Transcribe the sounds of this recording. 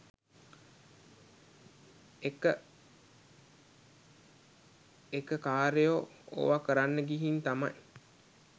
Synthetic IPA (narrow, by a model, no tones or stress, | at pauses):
ekə | ekəkaːɾejo | o̰ʋakəɾanːəɡiɦint̪amɐj